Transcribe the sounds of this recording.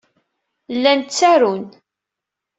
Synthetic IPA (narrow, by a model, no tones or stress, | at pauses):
lːænt͡sːæɾun